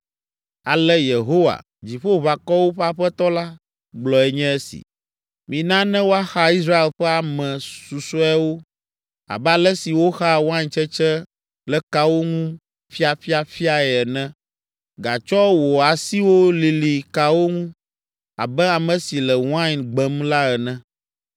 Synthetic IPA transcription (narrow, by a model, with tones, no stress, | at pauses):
a˨lɛ˦je˨ɦo˦wa̰˨ | d͡ʑi˨ɸo˦βa˨kɔ˦wo˦ɸɛ˦a˦ɸɛ˦t̪ɔ˦la˦ | ɡ͡blɔ˨ɛ˦ɲɛ̃˦ɛ˦sḭ˨ | mĩ˨nã˦nɛ̃˦wo˦a˦xa˦i˦sɾa˦e˨lɸɛ˦a˨mɛ̃˨su˨sɔ˦ɛ˦wo˦ | a̰˨bɛ˦a˦lɛ˦si˨wo˦xa˦wã˦ɲt͡ʃɛ˦t͡ʃɛ˦ | lɛ˦ka˦wo˦ŋũ˦ | fi˦a˨fi˦a˨fi˦a˨ɛ˨ɛ˨nɛ̃˦ | ɡa̰˨t͡ʃɔ˦wo˨a˨si˦wo˦li˨li˨ka˨wo˦ŋũ˦ | a̰˨bɛ˦a˨mɛ̃˨si˨lɛ˨w̃ã˦ɲnɡ͡bɛ˨mla˦ɛ˨nɛ̃˦